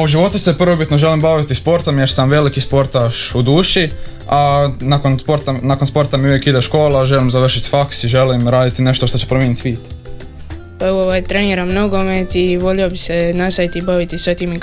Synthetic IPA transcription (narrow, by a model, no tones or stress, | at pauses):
uʒiʋo̞t̪use̞prʋobit̪no̞ʒe̞limbaʋit̪ispo̞ɾt̪omjeɾsamʋe̞likispo̞ɾt̪aʃud̪uːʃi | anakonspo̞ɾt̪anako̞nspo̞ɾt̪amiuʋjekid̪eʃko̞ːlˠaʒe̞limzaʋr̩ʃit̪faksiʒelimɾaːd̪it̪ine̞ʃt̪o̞ʃt̪ot͡ɕepɾomjenit̪sʋiːt̪ | paeʋooʋajet̪ɾeniɾanmnoɡomet̪iʋoʎiobisenasaʋit̪ibaʋit̪isʋet̪ime